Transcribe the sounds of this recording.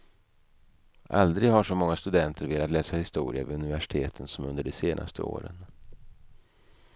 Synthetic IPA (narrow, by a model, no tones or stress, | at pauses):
ʔa̰ld̪ɾɪɡhaʂɔmɔŋːast̪ɵd̪ɛnt̪ʰəɾveːlat̪lɛːsahɪst̪uːɾɪa̰vɪɵnɪvæʂɪ̥t̪ʰeːt̪ʰənsɔmɵnd̪əɖɛseːnʔa̰st̪ʰəo̰ːɾə̰n